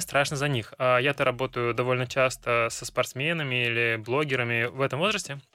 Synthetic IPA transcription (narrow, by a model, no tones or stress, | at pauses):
st̪ɾaʂnəzɐnʲixajat̪aɾɐbo̞t̪əjʊd̪ɐvo̞lʲnət͡ɕast̪əsəspɐrt̪smʲenəmʲɪilʲɪblˠo̞ɡʲɪɾəmʲɪvɛt̪əmvo̞zɾəsʲtʲɪ